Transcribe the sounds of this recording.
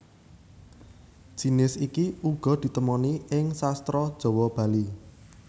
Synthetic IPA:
d̥ʒ̥i̤nɪsikiuɡ̥ɔ̤d̪̥i̤t̪əmɔniɪŋsast̪ɾɔd̥ʒ̥ɔ̤wɔb̥a̤li

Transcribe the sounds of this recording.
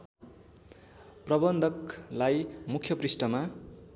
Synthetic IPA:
prʌbʌnd̪ʱʌklajmukʰjʌprisʈʌma

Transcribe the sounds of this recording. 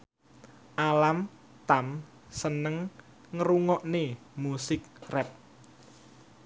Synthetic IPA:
ʔalam | t̪am | sənəŋ | ŋəɾuŋɔʔne | musɪk̚rɛp̚

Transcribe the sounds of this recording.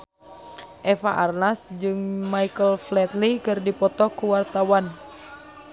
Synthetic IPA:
ʔɛfaʔarnasd͡ʒɨŋmajkəlflɛt̪likɨrdipɔt̪ɔkuwart̪awan

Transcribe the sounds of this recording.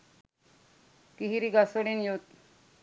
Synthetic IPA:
kiɦiɾiɡasəɽinjot̪̚

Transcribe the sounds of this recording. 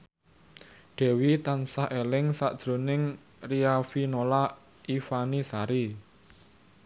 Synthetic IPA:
ɖ̥ɛ̤wit̪ansahʔelɪŋsa̰ʔd̥ʒ̥ɾo̤nɪŋ | riafinola | ʔifanisaɾi

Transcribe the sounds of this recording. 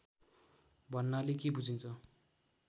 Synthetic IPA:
bʱʌnːʌlekebud͡zʱint͡sʰʌ

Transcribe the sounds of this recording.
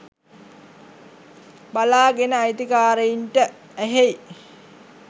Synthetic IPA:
balaːɡenəajt̪ikaːɾəinʈə | æɦej

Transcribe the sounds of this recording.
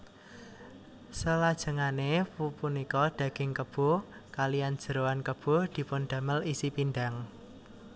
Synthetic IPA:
səlad̥ʒ̥ə̤ŋanepupunikɔd̪̥ä̤ɡ̥ɪ̤ŋkəb̥o̤kalijand̥ʒ̥ə̤ɾoankəb̥o̤d̪̥i̤pʊnd̪̥ä̤məlisipind̪aŋ

